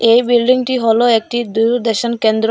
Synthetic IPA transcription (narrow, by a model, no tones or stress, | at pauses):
ejbilɖiŋʈiɦoloek̚ʈid̪uɾd̪eʃankend̪ɾ